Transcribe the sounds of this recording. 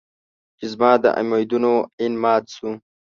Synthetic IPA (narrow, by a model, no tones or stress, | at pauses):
t͡ʃizmɑːd̪ə̰ʔa̰mojd̪unoinmɑːt̪su